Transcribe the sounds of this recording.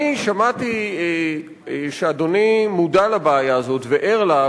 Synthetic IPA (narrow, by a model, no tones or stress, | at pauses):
iʃamatie | ʃead̪onimudalabeːjaːzo̞tveʔeʁla